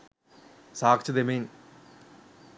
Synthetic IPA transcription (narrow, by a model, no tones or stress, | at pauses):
saːkt͡ɕʰɐd̪emen